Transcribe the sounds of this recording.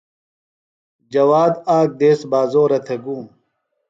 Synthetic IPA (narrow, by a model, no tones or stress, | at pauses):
d͡ʑɐwaːd̪aːk̚d̪eːsbaːzoːɾɐt̪ʰeɡũːm